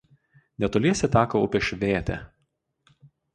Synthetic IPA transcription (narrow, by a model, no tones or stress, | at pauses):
nʲɛt̪olʲiɛsʲɛt̪ʲæːkɐʊpʲɛʃʲʋʲeːt̪ʲɛ̰